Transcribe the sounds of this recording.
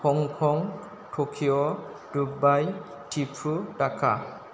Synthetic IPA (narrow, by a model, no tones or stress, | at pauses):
kʰɔŋkʰɔŋ | tʰokʰijɔ | dubaj | tʰipʰutakʰa̰